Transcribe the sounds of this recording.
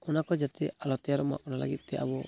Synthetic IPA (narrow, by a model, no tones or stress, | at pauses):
ɔnakɔd͡ʒat̪ɛalɔt̪jaɾɔma̰ʔɔnala̰ɡit̪̚ˀt̪ɛʔa̰bɔ